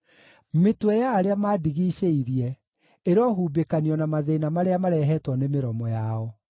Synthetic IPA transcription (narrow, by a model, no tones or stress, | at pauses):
metwɛjaːɾeamaːdiɣiːɕeiɾiɛ | eɾɔɦuːbekaniɔnamaðenamaɾeamaɾɛɦɛtwɔnemeɾɔmɔjaɔ